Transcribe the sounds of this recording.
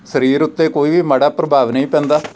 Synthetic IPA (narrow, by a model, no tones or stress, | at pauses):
səɾiːɾʊt̪ːeːkoːiːʋiːmaɽaːpɾəbʱaːʋnə̃ĩːpɛ̃ːnd̪aː